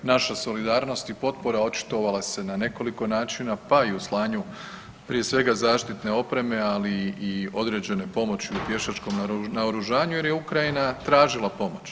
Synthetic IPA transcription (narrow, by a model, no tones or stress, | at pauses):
naʃaso̞lid̪aːɾno̞st̪ipo̞t̪̚po̞ɾao̞t͡ʃi̥t̪o̞ʋalˠase̞nane̞ko̞liko̞naːt͡ʃinapaiuslˠaːɲu | pɾije̞sʋe̞ɡazaːʃt̪it̪ne̞o̞pɾe̞me̞aliio̞d̪ɾe̞d͡ʑe̞ne̞po̞mo̞t͡ɕiupje̞ʃat͡ʃko̞mnaoɾuʒaːɲuje̞ɾje̞ukɾajinat̪ɾaːʒilˠapo̞mo̞t͡ɕ